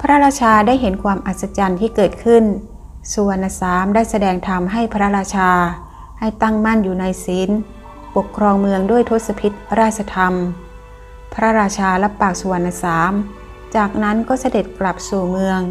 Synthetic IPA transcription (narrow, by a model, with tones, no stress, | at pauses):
pʰa˧ɾa˦˥ɾaː˧t͡ɕʰaː˧daː˥˩jɦe˩˦nkʰwaː˧mʔa˨˩t̪̚sa˧t͡ɕa˧nt̪ʰiː˥˩kɤː˨˩t̪̚kʰɯ˥˩n | su˨˩˦əna˧saː˩˦mdaː˥˩jsa˧dɛː˧ŋt̪ʰa˧mɦa˥˩jpʰɾa˦˥ɾaː˧t͡ɕʰaː˧ | ha˥˩jt̪a˥˩ŋma˥˩˨njuː˨˩na˧jsi˩˦n | po˨˩kʰːɾɔː˧ŋmɯ˧əŋduː˥˩əjt̪ʰo˦˥t̪̚sa˧pʰi˧˦˥t̪̚ɾaː˥˩t̪̚t͡ɕʰa˧t̪ʰa˧m | pʰɾa˦˥ɾaː˧t͡ɕʰaː˧la˦˥pːaː˨˩k̚suː˨˩˦ənːa˧saː˩˦m | t͡ɕaː˨˩k̚na˦˥nkɔː˥˩sa˧de˨˩t̪̚kla˨˩p̚suː˨˩mɯ˧əŋ